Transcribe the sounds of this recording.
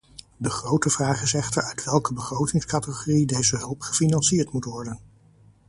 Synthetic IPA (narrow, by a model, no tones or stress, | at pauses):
dəχrowtəvraːχɪsɛχtəɹœɥtʋɛlˠkəbəχrowtɪŋskɑtəχoridejzəɦɵlˠpχəfinɑnsiːɹtmutʋɔɹdən